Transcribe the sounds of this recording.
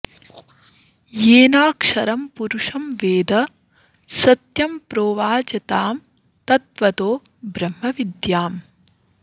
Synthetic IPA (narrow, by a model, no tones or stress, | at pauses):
jeːnaːkʂɐɾɐmpuɾuʂɐmʋeːd̪ɐ | sɐt̪jɐmpɾoːʋaːd͡ʒɐt̪aːm | t̪ɐt̪ʋɐt̪oːbɾɐm̤ːɐʋid̪jaːm